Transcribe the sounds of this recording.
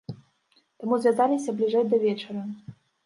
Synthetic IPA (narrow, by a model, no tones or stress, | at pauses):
t̪amuzvʲazalʲisʲɐblʲiʐɛjd̪ɐvʲɛt͡ʂɐɾɐ